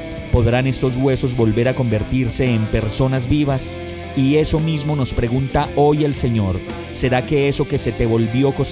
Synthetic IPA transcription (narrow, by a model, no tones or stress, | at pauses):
po̞ðɾane̞st̪o̞zɣwe̞so̞zbo̞lbe̞ɾako̞mbe̞ɾt̪iɾse̞ːmpe̞ɾso̞nazbiβas | ie̞so̞mizmo̞no̞spɾe̞ɣunt̪ao̞jelse̞ɲo̞ɾ | se̞ɾake̞eso̞ke̞se̞t̪e̞βo̞lbjo̞kos